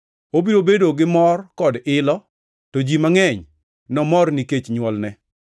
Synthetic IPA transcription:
obiɾobedoɡɪmɔrkɔdɪlɔ | tod͡ʒimaŋɛɲ | nɔmɔrniket͡ʃɲwɔlnɛ

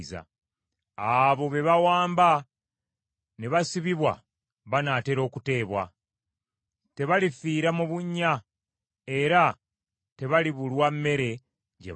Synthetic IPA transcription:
za̰ | aβo̞βe̞βawaːmba | neβasiβiβwa̰ | βanate̞ɾo̞ːkute̞ːβwa̰ | te̞βalifiːɾamuβuɲːa | e̞ɾa | te̞βaliβulwamːe̞ɾe̞ | ɟḛ

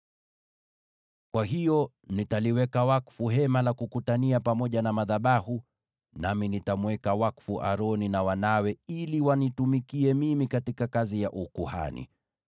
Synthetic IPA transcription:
kwaɦijɔ | nitaliwɛkawakfuɦɛmalakukutaniapamɔʄanamaðaɓahu | naminitamwɛkawakfuʔa̰ɾɔninawanawɛiliwanitumikiɛmimikatikakazijaʔukuha̰nḭ

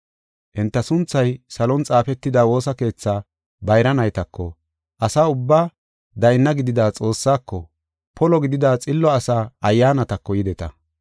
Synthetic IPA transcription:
ʔɪnt̪ːɐsʊnt͡sːɐjsɐlɔnt͡sʼaːfɛt̪ːɪd̪aːwo̞ːsɐke̞ːt͡sːaː | bɐjɾɐnɐjt̪ɐkʰːɔ̰ | ʔɐsaːʊbːaː | d̪ɐjɪnːɐɡɪd̪ɪd̪aːt͡sʼo̞ːsːaːkːɔ̰ | pʰɔlɔɡɪd̪ɪd̪aːt͡sʼɪlːɔɐsaːʔɐjːaːnɐt̪ɐkːɔjɪd̪ɛt̪ɐ̰

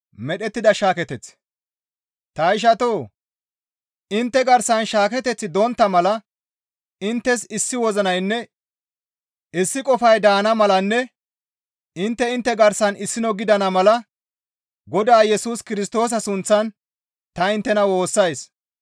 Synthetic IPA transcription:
mɛɗɛt̪ːɪd̪ɐʃaːkɛt̪ɛt͡s | t̪ɐɪʃ̬ɐt̪oː | ɪnt̪ːɛɡɐɾsɐnʃaːk̬ɛt̪ɛt͡sːɪd̪ɔnt̪ːɐmɐlɐ | ɪnt̪ːɛsɪsːɪwɔzɐnɐjnːɛ | ɪsːɪkʼɔfɐjd̪aːnɐmɐlɐnːɛ | ɪnt̪ːɛɪnt̪ːɛɡɐɾsɐnɪsːɪnɔɡɪd̪ɐnɐmɐlɐ | ɡɔd̪aːjɛsuːskɪɾɪst̪o̞ːs̬ɐsʊnt͡sːɐn | t̪ɐɪnt̪ːɛnɐwo̞ːsːɐjs

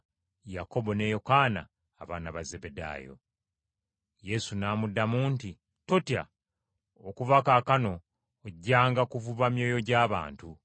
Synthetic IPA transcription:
jako̞bo̞ne̞jo̞kaːna̰ː | βaːnaβaze̞be̞da̰ːjo̰ | je̞sunaːmudːamuːnti | totja̰ | okuvakakano̞ː | ɟːaːŋɡakuvuβamjo̞ːjo̞ɟaːβa̰ːntu

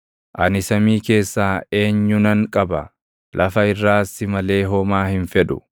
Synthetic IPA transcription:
ʔɐnɪsɐmiːke̞ːsːaːe̞ːɲːʊnɐŋkʼɐbɐ | lʔɐfɐɪrːaːsːɪmɐle̞ːɦɔmaːhɪnfɛᶑʊ̰

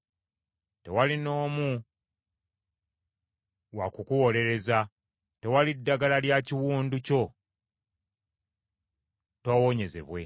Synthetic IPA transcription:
te̞̰walino̞ːmu | wa̰kukuwo̞le̞ɾe̞za | te̞walidːaɡalaljaciwuːnduco̞ | towoɲe̞ze̞̰βwe̞̰

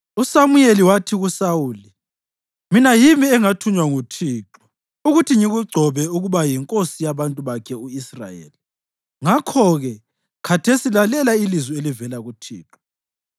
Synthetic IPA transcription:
usamujeliwatʰiɣusawuːli | minajimiɛŋatʰuɲwaŋutʰiːǁɔ | uɣutʰiŋiɣuɡ͡ǀʱɔβɛuɣuβajiŋkʼosijaβantʼuβakʰɛuisra̰jḛːli | ŋakʰɔɣɛ | kʰatʰesilalɛlailizwielivɛlaɣutʰḭːǁɔ̥

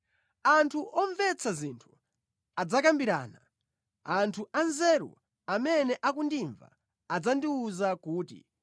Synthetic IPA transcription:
antʰuʔɔɱvɛt͡sʰazintʰu̥ | ad͡zakambiɾa̰ːna | antʰuʔanzɛɾṵ | amɛnɛʔakundiɱva̰ː | d͡zandiuzakuːtḭ

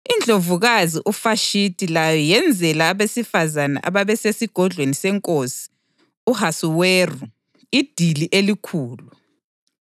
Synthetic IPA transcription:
ind͡ɮʱovuɣaziʔufaʃitʼilajɔjɛnd͡zʱɛlaːβesifazana̰ʔa̰βaβɛsesiɡ̥ʱɔɮʱwenisɛŋkʼosi̥ | uhasuweru | id̥ʱiliʔelikʰuːlu

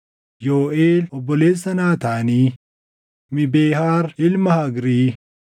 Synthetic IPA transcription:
joːʔeːlɔbːɔleːsːɐnaːt̪aːniː | mɪbeːɦaːɾʔɪlmɐhɐɡɾiː

